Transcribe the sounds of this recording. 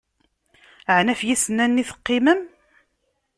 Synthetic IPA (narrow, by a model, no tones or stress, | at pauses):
əʕnæfjisənːænːiθə̥qːɪməm